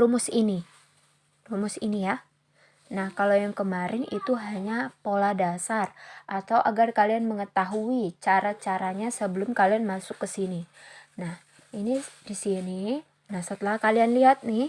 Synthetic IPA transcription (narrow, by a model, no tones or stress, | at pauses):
lumʊsini | rumʊsinija | nahkalojaŋkəmaɾʔɪnḭt̪uɦaɲapoladasarʔat̪awʔa̰ɡarkalianməŋət̪aɦuit͡ʃaɾat͡ʃaɾaɲasəbəlʊmkalianmasʊkːəsininah | inidisini | nahsət̪əlahkalianliat̪̚nɪh